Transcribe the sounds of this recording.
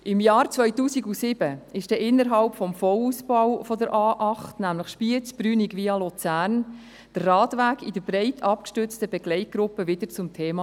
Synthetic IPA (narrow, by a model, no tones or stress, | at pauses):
ʔɪmjɑːrt͡svœʏtuːsiɡusɪb̥əɪʃd̥ɛːʔɪnːəɾɦɑlpfɔmfɔluːsbɑwfɔdəɾʔɑːʔɑχtnæmləχʃpiət͡sb̥ɾyːniɡviːɑlot͡sæːɾn | d̥ərːɑːtʋæːɡid̥əɾb̥ɾɛɪtʰɑpkʃtʏt͡stəbɛɡlɛɪt̚ɡ̥ɾʊpːəvɪd̥əɾt͡sʊmtʰeːmɑ